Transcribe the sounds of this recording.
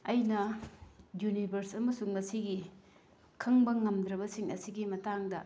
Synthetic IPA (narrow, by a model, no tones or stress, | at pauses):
ɐjnɐ | junibʱɐɾsɐmɐsuŋmɐsiɡi | kʰɐŋbɐŋɐmd̪ɾɐbɐsiŋɐ̰siɡimɐtaŋdɐ